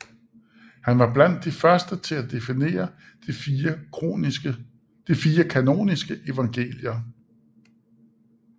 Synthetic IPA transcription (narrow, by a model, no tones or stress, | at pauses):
hænʋɑ̈b̥læn̰d̥ːifɶɐsd̥ət͡sʰe̝læd̥e̝fine̝̰ːɐ̥ | d̥ifiːɐkʰæno̝̰ːnisɡ̥əʔe̝ʋɑ̈ŋɡ̥e̝̰ːljɐ